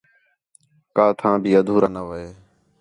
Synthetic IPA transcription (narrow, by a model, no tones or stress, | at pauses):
kaːt̪ʰãːbʱiːəd̪ʱuːɾaːnəʋəeː